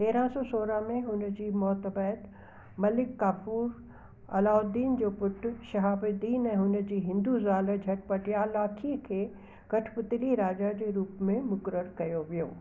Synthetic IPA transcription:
t̪eːɾãsɔːsoːɾəmẽɦʊnd͡ʑiːmɔːt̪əbɛːt̪ | mɐlɪkːaːfuːɾ | ɐ̰laːʊd̪iːnd͡ʑoːpʊʈʰʃɐɦaːbəd̪iːnɛ̃ːɦʊnəd͡ʑiːɦɪ̃nd̪uzaːləd͡ʑʱɐʈpɐʈijalaːkʰikʰeː | kɐʈʰpʊt̪ɪliɾaːd͡ʑad͡ʑeːɾuːpmẽmʊkəɾəɾkɐjoʋijo̰ː

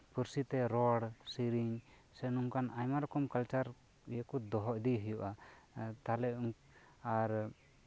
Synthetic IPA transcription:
pəɾsit̪ɛɾɔɽsiɾiɲ | sɛnuŋkanʔajmaɾɔkɔmkalt͡ʃaɾ | jɛkud̪ɔɦɔʔd̪iɦəjuʔat̪alɛuŋ | aɾ

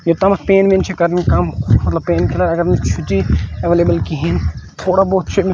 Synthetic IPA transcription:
jot̪ɐmɐpeːnmint͡ʃʰekɐɾnkɐmmɐt̪lɐb̚pːeːnkʰɪlɐɾɐɡəɾnit͡ʃʰʊʈiɐʋeːleːbəlkiɦint̪ʰoːɽaboːt̪̚t͡ʃʰem

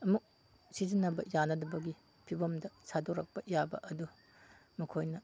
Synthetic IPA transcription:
ɐmuk̚ | sizinːɐbɐ̰janɐdɐbɐɡi | pʰibɐmdɐsadoɾɐk̚pɐʔijabɐ̰ʔɐdu | mɐkʰojnɐ

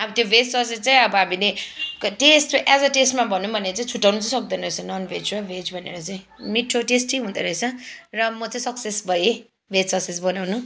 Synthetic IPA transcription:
ʌbʌt̪jobʱed͡zsʌs̬et͡saĩʌbʌɦamilekʈesʈoʔad͡zʌʈesʈmabʱʌnːubʱʌneɾʌt͡saĩt͡sʰuʈːawnʌt͡saĩsʌk̚d̪ʌnʌɾʌt͡sʰʌnʌnbʱed͡zrʌbʱed͡zbʱʌnḛɾʌt͡saĩ | miʈʰːoʈesʈiɦũnd̪ʌɾʌet͡sʰʌrʌmʌt͡saj̃sʌksesbʱʌe | bʱed͡zsʌkses̬bʌnawnu

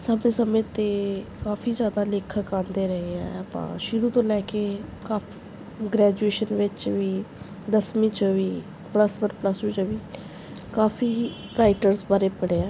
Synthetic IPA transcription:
sabnĩːsəmẽːt̪eːkaːfʰiːzjaːd̪aːlɪkʰəkãːnd̪eːɾəɦeɛ̰əpã̰ːʃʊɾũːt̪õːlɛːkeːkaːp | ɡɾɛːd͡ʒueːʃənʋɪt͡ʃʋiː | d̪əsmĩːt͡ʃʋiː | pləsʋənpləsĩːt͡ʃəʋiː | kaːfʰiː | ɾaːɪʈəɾsbaːɾeːpəɽeːãː

